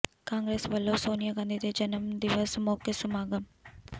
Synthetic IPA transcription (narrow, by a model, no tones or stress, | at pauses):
kãːŋɡɾeːsʋəlːoːsoːnijaːɡãːnd̪id̪ed͡ʒənəmd̪ɪʋəsmɔːkesʊmaːɡəm